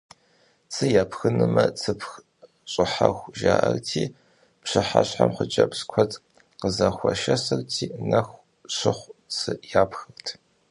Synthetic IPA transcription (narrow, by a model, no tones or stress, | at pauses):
t͡sʰɨjaːpʰxɨnɨmɐt͡sʰɨpʰx | ɕʼɪħaxʷʒaːʔɐrtʰiː | pɕɨħaɕħamχəd͡ʒʼɐpskʷʰɔtʼ | qəzɐxʷɔʃɐsɐrtʰiːnɐxʷ | ɕɪχʷt͡sʰɨjaːpʰxɨrtʰ